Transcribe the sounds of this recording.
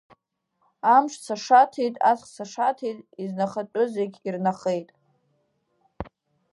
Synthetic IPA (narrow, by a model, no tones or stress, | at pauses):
amʂt͡sʰaʂatʰejtʼasχsaʂatʰejtʼiznaχat͡pʷʼʊzeɡʲirnaχe̞jtʼ